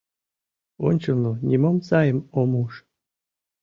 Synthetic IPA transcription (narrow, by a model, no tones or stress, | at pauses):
o̰nʲt͡ɕɤlnonʲimomsɑjə̆momuʃ